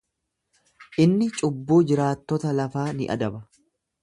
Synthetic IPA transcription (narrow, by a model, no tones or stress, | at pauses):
ʔɪnːɪt͡ʃʼʊbːoːd͡ʒɪɾaːt̪ːɔt̪ɐlɐfaːnɪ̰ʔɐ̰d̪ɐbɐ